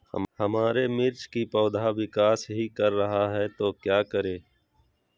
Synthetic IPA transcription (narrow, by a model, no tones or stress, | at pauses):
həmaːɾemɪɾt͡ʃkipɔːd̪ʱaʋɪkaːsɦikəɾːɐɦaɦɛt̪okjaːkəɾeː